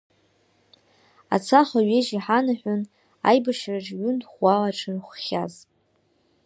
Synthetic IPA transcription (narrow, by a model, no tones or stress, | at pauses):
a̰t͡sʰaχaɥeʒiħanaħʷᶣʊn | a̰jbaʃraʈ͡ʂʼɥʏnχʷalaʈ͡ʂʰɨrχʷχʲaz